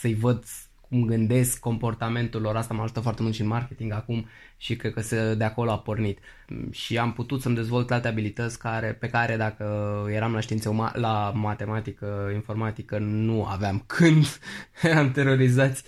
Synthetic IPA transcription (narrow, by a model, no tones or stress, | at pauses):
səjvəd̪ | kʰumɡɨnd̪e̞skːo̞mpo̞rt̪ame̞nt̪ulo̞ɾast̪amaʒut̪əfoart̪e̞mult̪ʃinmarke̞t̪iŋɡakum | ʃikɾed̪̚kəsəd̪e̞ako̞lo̞apo̞rnit̪ | ʃiamput̪ut̪səmd̪e̞zvo̞lt̪alt̪e̞abilit̪ət̪sʲkaɾe̞pe̞kaɾe̞d̪akəje̞ɾamlaʃt̪iinseuma̰lamat̪e̞mat̪ikəinfo̞rmat̪ikənua̰veamkʰɨnd̪jeɾamt̪e̞ɾo̞ɾizat̪sʲ